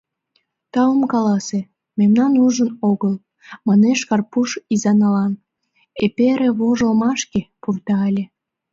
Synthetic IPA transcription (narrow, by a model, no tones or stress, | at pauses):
t̪ɑomkɑlɑse | memnɑnuʒənoɣəl | mɑneʃkɑrpuʃizɑnɑlɑn | epeɾeβoʒomɑʃkepurt̪ɑɑlʲe